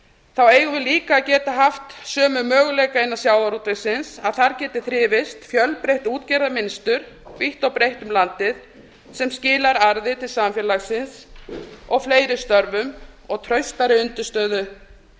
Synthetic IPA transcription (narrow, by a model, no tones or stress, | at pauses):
θaweːjɣʏvɪliːkaːcɛːt̪aɦaft̪sœːmʏmœːɣʏlɛjkaenḁsjaːwaɾut̪ɪsɪnsaðθaɾcɛːt̪ɪθɾɪːvɪst̪fjœlpɾejht̪uːt̪cɛɾðamɪnst̪ʏɾ̥ | viht̪awpɾejht̪ʏmlant̪ɪð | sɛmscɪːlaɾaɾðɪt̪ʰɪlsamfjɛlaɣsɪns | ɔɣfleːjɾɪst̪œɾvʏmɔɣt̪ʰɾœɥst̪aɾɪʏnt̪ʏst̪œːðʏ